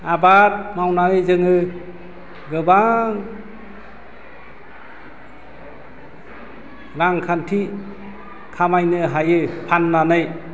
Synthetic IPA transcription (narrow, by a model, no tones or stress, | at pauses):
abaɾ̚mawnaɯjzɯŋɯ | ɡɯbaŋ | ɾaŋkʰantʰi | kʰamajnɯɦajɯpʰanːanɯj